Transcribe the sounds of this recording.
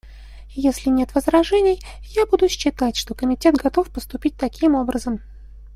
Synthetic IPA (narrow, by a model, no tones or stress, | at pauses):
jesʲlʲɪnʲe̞t̪vəzrɐʐɛnʲɪj | jabud̪ʊɕːɪt̪atʲʂt̪o̞kəmʲɪtʲe̞t̪ɡɐt̪o̞fpəst̪ʊpʲit̚ʲt̪ɐkʲimo̞bɾəzəm